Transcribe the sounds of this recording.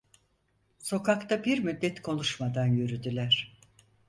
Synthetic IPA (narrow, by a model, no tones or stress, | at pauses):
so̞kakt̪ʰabiɾmyd̪ːɛt̪kʰo̞nˠuʃmad̪anjyɾyd̪ylʲæɾ̥